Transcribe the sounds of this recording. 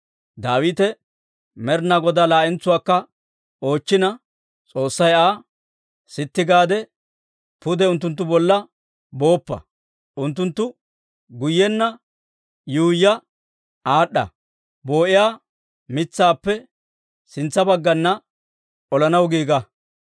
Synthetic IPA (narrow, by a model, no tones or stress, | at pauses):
d̪aːwiːt̪ɛ | mɛɾnaɡɔd̪aːlaːʔɛnt͡sːʊwaːkːɐ | o̞ːt͡ʃːɪnɐ | t͡sʼo̞ːsːɐjaː | sɪt̪ːɪɡaːd̪ɛ | pʊd̪ɛʊnt̪̬ːʊnt̪̬ːʊbɔlːɐ | bo̞ːpːɐ̰ | ʔʊnt̪ːʊnt̪ːʊ | ɡʊjːɛnːɐ | jujːɐ | aːɗːɐ̰ | bo̞ːʔɪjaː | mɪt͡sːaːpːɛ | sɪnt͡sːɐbɐɡːɐnːɐ | ʔɔlɐnɐwɡiːɡɐ